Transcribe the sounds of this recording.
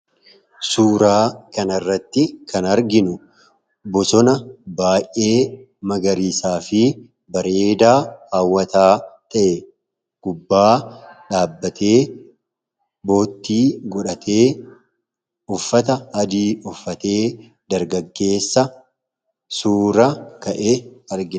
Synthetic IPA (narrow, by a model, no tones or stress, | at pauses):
suːɾaːkɐnɐrːɐt̪ːɪkʰɐnɐɾɡɪnʊ | bɔsɔnɐbaːjʔʔe̞ː | mɐɡɐɾiːsaːfɪ | bɐɾeːd̪aːaːwːɐt̪aːt̪ɐʔe | ɡ̥ʊbːaːᶑaːbːɐt̪ʰe̞ː | bo̞ːt̪ːiːɡɔᶑɐt̪ʰe̞ː | ʊfːɐt̪ɐɐd̪iːɔfːɐt̪e̞ː | d̪ɐɾɡɐɡːe̞ːsːɐ | suːɾɐkɐʔeɐɾɡɪ